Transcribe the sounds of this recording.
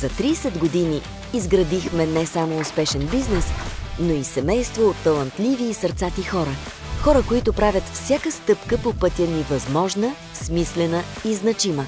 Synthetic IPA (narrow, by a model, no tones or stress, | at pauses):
zɐt̪ɾiːsɛd̪ɡod̪iniː | zɡɾɐd̪ixmɛnɛsamoːspɛʃɛnbiznɛsnoisɛmɛjst̪voːt̪ːɐlˠɐnt̪lʲiviːsəɾt̪sat̪ixɔɾə | xɔɾəkoit̪opɾavʲət̪fsʲjakəst̪ɤpkəpopɤt̪ʲjənivɐzmɔʒnə | smislɛnəiznɐt͡ʃimə